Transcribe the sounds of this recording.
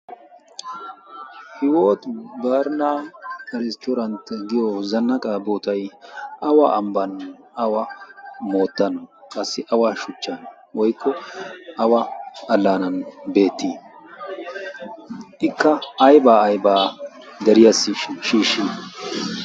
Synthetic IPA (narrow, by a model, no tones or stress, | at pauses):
hɪwo̞ːt̪baːɾnakɐɾɪst̪ɔɾɐnt̪ːɛɡɪjɔzɐnːɐkʼaboːt̪ɐjʔɐwaʔɐmbɐn | ɐwɐmo̞ːt̪ːɐnɔkʼɐsːɪʔɐwaʃʊt͡ʃːɐn | wɔjkʰːɔɐwɐɐlːaːnɐnbe̞ːt̪ːiː | ʔɪkːɐːjbaːɐjbaː | d̪ɛɾɪjɐsːɪʃiːʃːiː